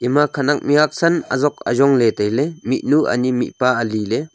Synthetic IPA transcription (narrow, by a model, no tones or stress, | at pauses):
ʔimakʰanak̚miak̚sɐnɐ̰zɔk̚ɐ̰zɔŋletajlemit̚nuʔa̰nimḭt̚paɐlile